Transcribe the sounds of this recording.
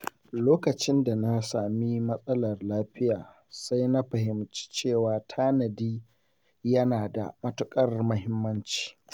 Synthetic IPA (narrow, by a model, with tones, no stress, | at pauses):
loː˦kɐ˨t͡ʃɪ˦nda˨na˦saː˨mi˦mɐ˦sʼɐ˦lɐ˨rlaː˦ɸɪ˦jaː˨ | sa˦jna˦ɸɐ˨hɪ˨mt͡ʃi̥˦t͡ʃeː˦˨waː˨tʰaː˦nɐ˨diː˦ | jɐ˦naː˨da̰˨mɐ˦tʊ˦kʼɐ˦rmʊ˦ɦɪ˦mːɐ˦nt͡ʃi̥ː˨